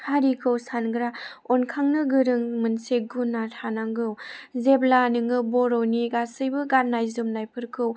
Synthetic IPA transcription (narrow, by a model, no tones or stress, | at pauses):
haɾikʰɯwsanɡɾaɔnkʰaŋnɯɡɯɾɯŋmɯnseɡunːatʰanaŋɡɯwzeblanɯŋɯbɔɾowniɡasɯjbɯɡat̚najzɯmnajpʰɯɾkʰɯw